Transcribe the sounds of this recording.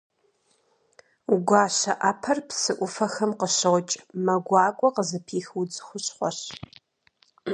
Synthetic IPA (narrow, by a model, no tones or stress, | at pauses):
uɡʷaːɕɐ̰ʔaːpʰɐrpsɨʔʷʊfɐxɐmqəɕɨʁʷt͡ʃʼmɐɡʷɑːkʷʼɔqəzɨpʰiːxwud͡zxʷʊɕχʷɔɕ